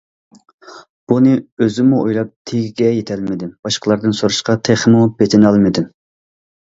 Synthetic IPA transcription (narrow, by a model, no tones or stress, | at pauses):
b̥unɨøzɪmuʔo̰jlˠɑp̚t̪ʰeɡʲiɡʲɛjet̪ʰɛlmɪd̪ɪmb̥ɑʃqəlˠɑɾd̪ɨnsoɾuʃqɑt̪ʰeχmubet̪ʰɪnɑlˠmɪd̪ɪm